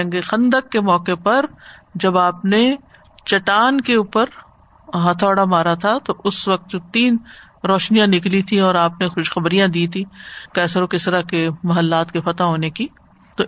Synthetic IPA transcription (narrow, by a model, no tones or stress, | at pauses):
ɐ̃ŋɡexɐ̃nd̪əkːemɔːkepɐɾd͡ʒɐbaːpne | t͡ʃɐʈaːnkeuːpəɾ | ɦãt̪ʰɔːɽamaːɾat̪ʰat̪oʔʊsʋɐk̚t̪d͡ʒot̪iːn | ɾɔːʃnijãnɪklit̪ʰĩɔːɾaːpnexʊʃxɐbɾijãd̪iːt̪ʰĩkɛːsəɾõkɪst̪əɾakemɐɦəlːaːt̪kefɐt̪aɦoːneki | t̪o